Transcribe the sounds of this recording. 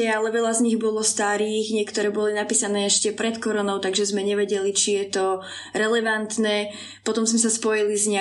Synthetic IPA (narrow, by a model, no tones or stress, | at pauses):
ɛalɛʋɛʎazɲiɣbɔlɔst̪aɾiːxɲɪɛkt̪ɔɾɛːbɔlinapiːsanɛːɛʃcɛpɾɛt̪kɔɾɔnɔʊt̪aɡʒɛzmɛɲɛʋɛɟɛlit͡ʃijɛt̪ɔ | ɾɛlɛʋant̪nɛː | pɔt̪ɔmzmɛsaspɔjilizɲa